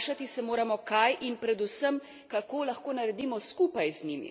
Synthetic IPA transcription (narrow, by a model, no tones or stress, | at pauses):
ʃat̪isɛmoːɾamɔkajʔinpɾɛd̪usəm | kakoːlɐxkoːnɐɾɛd̪iːmɔskupajznimḭ